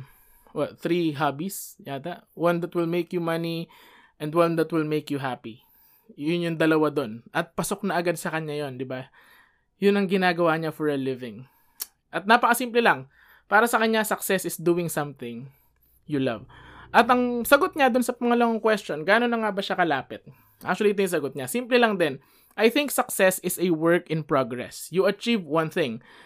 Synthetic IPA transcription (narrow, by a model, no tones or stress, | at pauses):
ʔɛθɾiɦabisjaːt̪ɐwɐ̃nd̪ɐt̪wɪlmejkjʊmɐni | ʔɛ̃nd̪wɐnd̪ɐt̪wɪlmejkjuɦapi | jʊnjʊŋd̪ɐlɐwad̪o̞nʔɐt̪̚pɐsok̚nɐʔɐɡad̪̚sɐkɐɲjajo̞nd̪ɪba | jʊnɐŋɡɪnaːɡɐwaɲafɔɹɐlɪvɪ̃ŋ | ʔɐt̪̚naːpɐkɐsimplɛlɐŋ | paːɾɐsɐkɐɲɲasɐksɛsɪsd̪uɪŋsɐmθɪ̃ŋ | jʊlɐ̰vʔɐt̪ɐŋsɐɡot̪̚ɲad̪ʊnsɐpɐŋɐlɐmɐŋkwɛsto̞nɡaːnonɐŋabɐʃakɐlaːpɪt̪̚ | ʔa̰k̚t͡ʃʊɐlit̪ojʊsɐɡot̪̚ɲasimplɛlɐŋd̪ɛn | ʔɐjθɪŋk̚sɐksɛsɪsɛwɛɹkɪ̃npɹoɡɹɛ̰sjʊɐt͡ʃivwɐ̃nθɪ̃ŋ